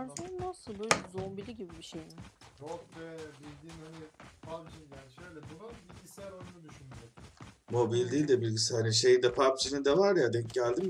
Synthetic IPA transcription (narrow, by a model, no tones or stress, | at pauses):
ɾd̪ɯnasɯlˠuzombilʲiɟibibiʃejɪɾokvɛbilʲd̪iːmhanipʰapt͡ʃijaːniʃøjlʲɛbunabilʲɟisɛjæɾonunud̪yʃynyd͡ʒemo̞bilʲd̪iːlʲd̪ɛbilʲɟisæɾʲinʃe̞jind̪ɛpʰapt͡ʃʰinind̪ɛvaɾjad̪ɛɟælʲd̪im